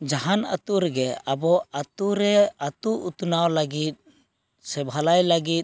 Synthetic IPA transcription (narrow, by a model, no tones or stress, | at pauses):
d͡ʒaɦana̰t̪uɾɛɡɛabɔat̪uɾɛat̪uʔut̪unawlaɡit̪̚ | sɛbʱalajlaɡit̪̚